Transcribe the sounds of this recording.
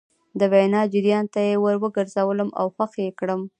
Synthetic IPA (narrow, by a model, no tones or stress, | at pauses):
d̪əwajnɑd͡ʒɪɾjɑnt̪ajewəɾwəɡəɾzawələmʔa̰wxaqjekɽəm